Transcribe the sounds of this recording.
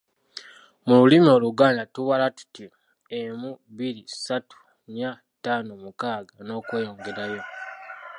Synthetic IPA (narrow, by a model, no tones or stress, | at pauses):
mululimio̞ːluɡaːndatuβalatu̥ti | emuβiɾisatu̥ | ɲa | taːnomukaːɡano̞ːkwe̞ːjo̞ːŋɡe̞ɾajo̞